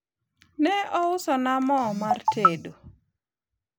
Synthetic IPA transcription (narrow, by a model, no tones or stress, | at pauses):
nɛɔʊsɔnamɔmartʰedo